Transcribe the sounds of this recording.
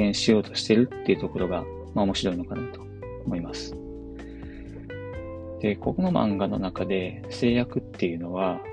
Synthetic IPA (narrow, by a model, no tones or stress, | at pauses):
ẽ̞ɰ̃ɕijo̞ːt̪o̞̥ɕi̥t̪e̞ɾɯ̟t̪ːe̞jiɯ̟t̪o̞ko̞ɾo̞ɡa | maomo̞ɕiɾo̞ino̞kanat̪o̞̥ː | mo̞imasɨ̥ | d̪̥e̞ko̞kono̞mã̰ŋɡano̞̰nakad̪e̞ | se̞ːjakɯ̟t̪ːe̞jɯ̟no̞βa